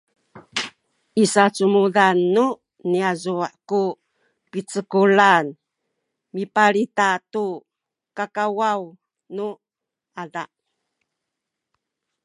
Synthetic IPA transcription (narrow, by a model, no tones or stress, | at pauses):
isat͡sumudanːu | niazuaʔku | pit͡səkulan | mipaɾitatu | kakawaw | nu | adaʔ